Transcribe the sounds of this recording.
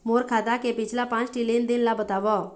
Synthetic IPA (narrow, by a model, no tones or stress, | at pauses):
moɾkʰad̪akepɪt͡ʃʰlapãt͡ʃʈilind̪inlabət̪aʋɔ